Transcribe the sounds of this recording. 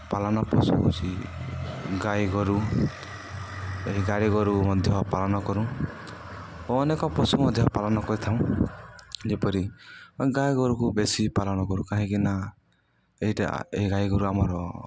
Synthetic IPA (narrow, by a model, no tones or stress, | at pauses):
palɔnɔpɔsṵt͡ʃʰi | ɡajɡɔɾu | eɦiɡaɽiɡɔɾumɔd̪ʱjɔpalɔnɔkɔɾũ | oːnekɔpɔsumɔd̪ʱjɔpalɔnɔkɔɾit̪ʰaw̃ | d͡ʒepɔɾiɡajɡɔɾukubesipalɔnɔkɔɾukaɦĩkina | eiʈa̰eɦiɡajɡɔɾuamɔɾɔ